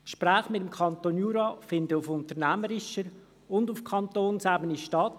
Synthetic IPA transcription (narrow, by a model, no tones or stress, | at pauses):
kʃpɾæːχmɪtəmkʰχɑnt̪onjuːɾɑfɪndəʊfʊntəʁnæməɾɪʃəɾ | ʊndʊfkʰχɑnt̪oːnsæbəniʃtɑt